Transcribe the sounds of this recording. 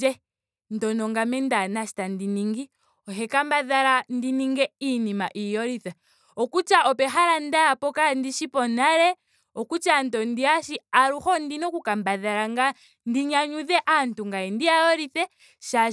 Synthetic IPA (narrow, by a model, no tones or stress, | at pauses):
ɛ | n̩tɔnɔŋɡamɛndanaʃi̥tandiniŋɡi | ɔɦɛkambaðaɾandiniŋɡɛinimaʔijɔɾiθɛ | ɔkut͡ʃaʔɔpɛxaɾandajapɔkandiʃipɔnaɾɛ | ɔkut͡ʃantɔndiaʃiaɾuxɔndinɔkukambaðaɾaŋɡa | ndiɲaɲuðɛʔantuŋɡaɛndiaɔɾiθɛ | ʃa